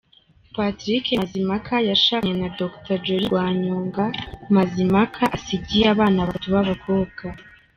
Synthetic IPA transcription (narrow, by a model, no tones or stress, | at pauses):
patɾikezimakʰajaʃaɲenadoktad͡ʒoɾiwaːɲoːŋɡamazimakʰaʔasiɟijaβaːnaβatuβaβaɡoːka